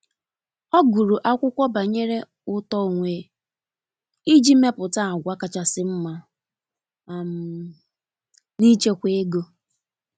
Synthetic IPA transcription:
ɔ˦ɡu˨ɾu˨ʔa˦kʷʊ˦kʷɔ˦ba˨ɲe˦ɾe˦ | ʊ˦tɔ˦o˨ŋʷe˨ | i˦d͡ʒi˦me˦pʊ˨ta˦˨ɡʷa˦ka˨t͡ʃa˨sɪ˦m̩˦ma˦˨ | m̩˨˦ | ni˦t͡ʃe˦kʷe˦e˦ɡo˦

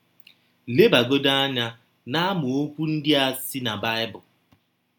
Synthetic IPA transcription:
le˦ba˨ɡo˦da˦a˦ɲa˦ | na˦a˦mʊ˨o˦kʷu˦n̩˦dɪ˦a˦sɪ˦na˨ba˦ɪ˦bʊ˨

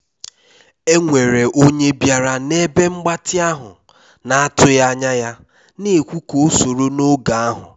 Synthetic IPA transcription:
e˦ŋʷe˨ɾe˨ʔo˦ɲe˦bja˨ɾa˦˨ne˦be˦ŋ͡m̩˦ɡ͡ba˦tɪ˦a˦ɦʊ̰˨ | na˨a˦tʊ˦ja˦a˦ɲa˦ja˦ | ne˨kʷu˦ko˨˦so˨ɾo˦no˦ɡa˨a˦ɦʊ̰˨

